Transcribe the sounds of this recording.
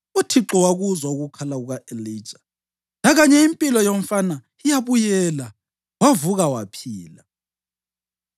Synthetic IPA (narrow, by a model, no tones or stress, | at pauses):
utʰiǁɔwaɣuzauɣukʰalaɣuɣaʔeli̥ːt͡ʃʼḁ | naɣaɲɛimpʼilɔjoɱ̩fana | ijaβujɛla | wavuɣawapʰiːla